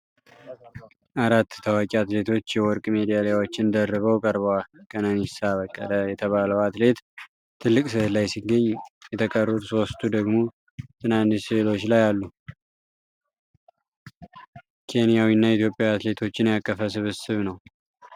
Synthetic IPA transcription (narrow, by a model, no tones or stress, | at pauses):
ʔaɾat̪ːt̪ʰəwakʲʼiat̪le̞t̪ʰo̞t͡ʃːjɛwɔɾkʼmed̪ijalajawot͡ʃːɪnd̪ərːɨβəwkʼəɾβwakʼənənisaβəkʼːə̰ləjɛt̪ʰəβaləwat̪le̞t̪ | t̪ʰːɨlːɨkʼsɨhlajsiɡəɲːjɛt̪ʰəkʼərːut̪so̞st̪ʰud̪əɡmo̞ | t̪ʰɨnanːisɨlo̞t͡ʃːlajalːu | kʰe̞nijawinːait̪jo̞pʼjaat̪le̞t̪ʰo̞t͡ʃːɪnjakʼːəfəsɨβɨsɨβnəw